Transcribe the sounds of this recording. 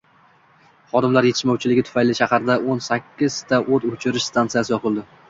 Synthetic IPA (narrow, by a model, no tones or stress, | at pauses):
χɒd̪ɪmlaɾje̞t̪ʰɪ̥ʃmɒwt͡ʃʰɪlɪɡʲɪt̪ʰʊ̥fajlɪʃahaɾd̪aonsakʲʰːɪz̥t̪ʰaʔot̪ot͡ʃʰɪɾɪʃst̪ʰant̪sɨjasɪjɒpʰɨlˠd̪ɪ